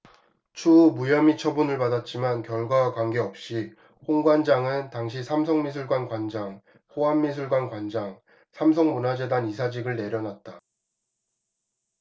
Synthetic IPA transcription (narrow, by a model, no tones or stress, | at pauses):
t͡ɕʰumujʌmit͡ɕʰʌbunɯɭpadat̚t͡ɕ͈imankjʌɭɡwakwanɡe̞ʌp̚ɕ͈i | hoŋɡwand͡ʑaŋɯntaŋɕ̬ʰisʰams̬ʰʌŋmis̬ʰuɭɡwankwand͡ʑaŋ | ɸoamːisʰuɭɡwankwand͡ʑaŋ | sʰams̬ʰʌŋmonɦad͡ʑe̞danisʰad͡ʑiɡɯɭne̞ɾjʌnat̚t͈a